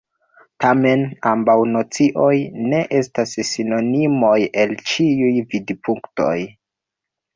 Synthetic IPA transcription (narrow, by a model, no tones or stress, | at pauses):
tame̞nambawnot͡siʔo̞jne̞ʔe̞stassino̞nimo̞je̞lt͡ʃiujvidipʰuŋkto̞̰j